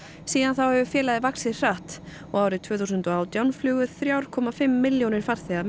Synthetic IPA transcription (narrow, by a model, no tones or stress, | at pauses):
siːðanθawhɛvʏfjɛːlaðɪvaksɪ̥r̥aːht̪ | ɔɣaːwɾɪt̪ʰvœːθusʏnt̪ɔaːwt̪jawnflʏːɣʏθɾjaːwɾ̥kʰɔːmafɪmːɪljɔwnɪɾ̥faɾ̥θɛːa